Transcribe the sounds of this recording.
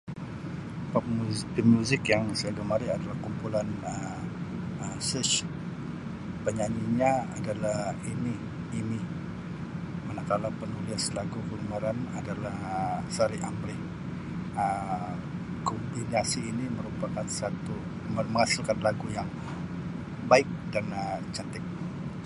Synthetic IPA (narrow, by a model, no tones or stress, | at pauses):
pap̚mupimuzɪkjaŋsajaɡəmaɾiadalahkumpulanəm | əmsət͡ʃ | pəɲaɲiɲaa̰dalahiniː | ni | manakalapənuliaslaɡukəlumaɾanadalahsaɾiamlɪh | ə | kɔmbinasiːniməɾupakansat̪u | məməŋasɪlkanlaɡujaŋ | baɪk̚danət͡ʃat̪ɪk̚